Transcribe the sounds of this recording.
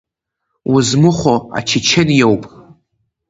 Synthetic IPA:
wʊzmɨχʷoa̰t͡ʃʰɪt͡ʃʰenjewpʼ

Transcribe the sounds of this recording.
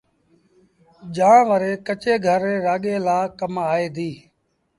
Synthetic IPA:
ʄãːʋəɾeːkət͡ʃeːɡʱəɾeːɾaːɠeːlaːkəmaːeːd̪iː

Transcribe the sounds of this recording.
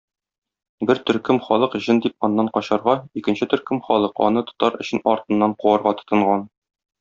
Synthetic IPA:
bɘɾt̪ɵ̆ɾkɘmχɒlˠɤqʑɤnd̪ip̚ɒnːɑɴqɒɕɑɾʁɑikɘ̆nɕɘt̪ɵ̆ɾkɵmχɒlˠɤqɒ̰nɤt̪o̥t̪ɑɾɵ̆ɕɘnɒɾt̪ɤ̆nːɑɴquɑɾʁɑt̪ɤ̥̆t̪ɤ̆ɴʁɑn

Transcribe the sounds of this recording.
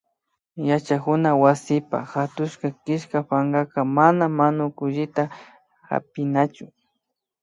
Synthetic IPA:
jat͡ʃakʊnawasɪpa̰xat̪ʊʃkakɪʃkapaŋɡakamanamanʊkʊʒɪt̪a | xa̰pɪnat͡ʃʊ

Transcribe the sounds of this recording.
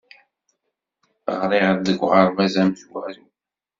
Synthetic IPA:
ə̰ʁɾiʁd̪əɡʷʁəɾˤvæzæmʒwæɾi

